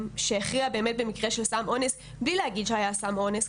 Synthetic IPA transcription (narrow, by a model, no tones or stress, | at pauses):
mʃeχʁiabeemet̪̚bemikʁeʃelsamʔones | blilɛaɡid̪ʃeajasamones